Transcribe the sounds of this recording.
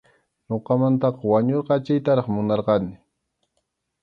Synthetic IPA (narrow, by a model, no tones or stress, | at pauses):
noqɑmant̪ɑqɑwaɲoɾqɑat͡ʃajt̪aɾɑχmʊnɑɾqɑnɪ